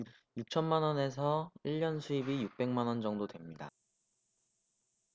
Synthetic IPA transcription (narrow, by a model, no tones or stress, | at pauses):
juk̚t͡ɕʰʌnmanʌne̞s̬ʰʌiɭːʌnsʰuibijuk̚p͈e̞ŋmanʌnd͡ʑʌŋdodwe̞mɲida